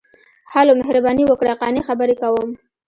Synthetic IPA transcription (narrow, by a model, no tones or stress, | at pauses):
halomehɾabɑniwəkɽaqɑnixabəɾekawəm